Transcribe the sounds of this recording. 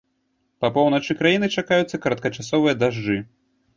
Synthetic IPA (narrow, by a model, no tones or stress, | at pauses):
pɐpɔwnɐt͡ʂɨkɾajinɨt͡ʂakajut̪sːɐkɐɾɐt̪kɐt͡ʂasɔvɨjɐd̪aʐd͡ʐɨ